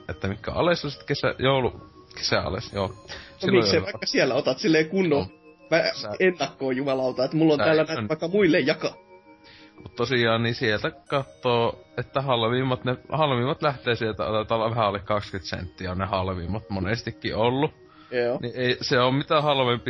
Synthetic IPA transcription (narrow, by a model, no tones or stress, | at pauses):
ʔet̪ːæmikːæ̰ɑ̰lesːɑsit̪kesæ̰joˑulu | ke̥sæʔɑ̰lḛsjoːsilmiojoseɑikːɑsiɛlːæot̪ɑt̪silːeːkunːo | ʋæenːɑkːoːjumɑlɑlt̪ɑet̪mulːonæːlːænænɑˑikːɑmuilːejjɑkɑ | mut̪t̪osiˑɑːnnisielt̪ækɑt̪ːoːʔet̪ːæhɑlʋiːmːɑt̪nehɑlʋimːɑt̪læht̪eːsielt̪æ̰ɑ̰t̪ɑt̪ːɑlɑʋæhæolːekkɑkskyt̪sḛnt̪ːiæonnehɑlʋḭːmːɑt̪monest̪ikːḭolːu | joːniʔeˑiseommit̪æhɑlʋempi